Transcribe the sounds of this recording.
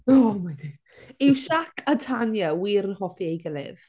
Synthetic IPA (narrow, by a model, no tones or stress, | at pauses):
ɔmajdɪd̥ | ɪwʃakʰatʰanjawiːɾnhɔfiejɡɪlɪ̰ð